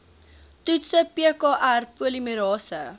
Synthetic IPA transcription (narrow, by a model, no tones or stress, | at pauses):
tutsəpiəkɑːʔærpuəliməɾɑːsə